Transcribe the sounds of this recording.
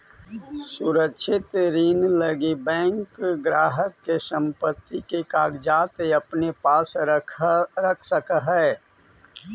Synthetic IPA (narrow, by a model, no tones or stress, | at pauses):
suɾəkʃʰɪt̪ɾiːnləɡibɛ̃ːŋkɡɾaːɦəkːesə̃mpət̪ːikekaːɡd͡ʒaːt̪eɐpnepaːs | ɾəkʰsəkɦɛː